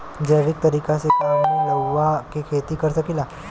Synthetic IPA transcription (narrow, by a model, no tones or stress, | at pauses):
d͡ʑəʋik̚t̪əɾiːkasekamiləʋːakikʰet̪iːkəɾsəkila